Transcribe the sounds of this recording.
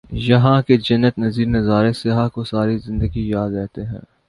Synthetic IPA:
jɐɦãked͡ʒɐnːət̪nɐziːɾnɐzaːɾesɪɦakosaːɾizɪ̃nd̪əɡijaːd̪ɾɛɦt̪eɦɛ̰̃ː

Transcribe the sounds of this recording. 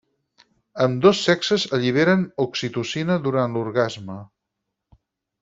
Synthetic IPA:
əmd̪osːɛksəzəʎiβ̞eɾənuksit̪usinəðuɾanluɾɣazmə

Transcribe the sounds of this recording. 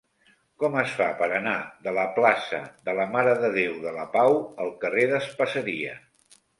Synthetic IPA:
kɔməsfapəɾənaðələplasə̰ðələmaɾəðəðewðələpawəlˠkəreðəspəsəɾiə

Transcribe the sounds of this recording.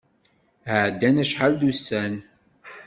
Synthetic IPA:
həʕd̪ːænæʃħald̪usːæn

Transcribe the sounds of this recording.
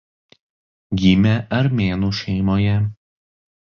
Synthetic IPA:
ɡʲiːmʲɛʔɐɾmʲeːnuːʃʲɛɪmoːjɛ

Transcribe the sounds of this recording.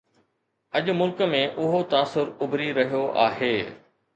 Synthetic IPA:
ɐʄmʊlkəmẽʔʊɦot̪aːsʊɾʊbɾiɾɐɦijoʔa̰ːɦeː

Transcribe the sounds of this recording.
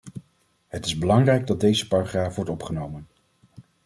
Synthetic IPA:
ɦətɪzbəlɑŋrɛjɡ̚dɑt̚dejzəparaχraːfʋɔɹtɔpχənowmən

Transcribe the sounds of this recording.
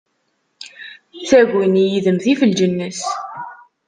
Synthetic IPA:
t͡sːæɣʷinijiðəmθifəld͡ʒənːəs

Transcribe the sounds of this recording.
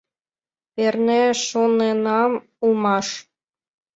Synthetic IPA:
perneʃonenɑm | ulmɑʃ

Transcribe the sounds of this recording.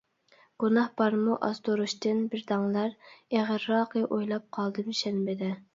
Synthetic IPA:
ɡ̥unɑhbɑɾmuʔɑ̰zd̪oɾuʃt̪ɨnbɪɾd̪ɑŋlˠɑɾeʁəɾːɑːqəʔojlˠɑp̚qʰɑlˠd̪ɨmʃɛnbɪd̪ɛ

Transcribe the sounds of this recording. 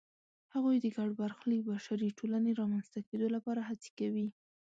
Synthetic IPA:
haɣujd̪əɡaɖbaɾxlikbaʃaɾiʈolaneɾɑmanzt̪aked̪olapɑɾaɦat͡se̥kawi

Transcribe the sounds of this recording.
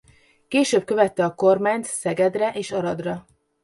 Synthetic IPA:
keːʃøːb̚kø̞vɛt̪ːɛɒko̞rmaːɲt̪sɛɡɛd̪rɛʔeːʃɒɾɒd̪rɒ

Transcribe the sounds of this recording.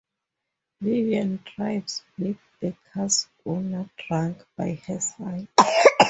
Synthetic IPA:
liviãntʰɹajbslik̚dəkʰas | ɔnatɹãŋkb̥ajhɛsaj

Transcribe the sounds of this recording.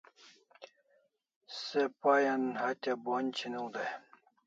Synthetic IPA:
sepajanhat̪ʲabonʲt͡ɕʰinuwd̪aj

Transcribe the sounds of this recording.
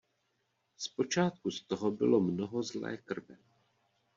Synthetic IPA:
spo̞t͡ʃaːt̪̚kust̪oɦobɪ̰lomnoɦo̞zlɛ̰ːkr̩vɛ

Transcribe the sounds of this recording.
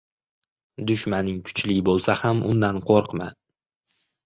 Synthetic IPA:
d̪ʊʃmanɪŋkʰʊ̥t͡ʃlɪɡʲɪbolˠsahamʊ̰nd̪anqʰoɾqma̰

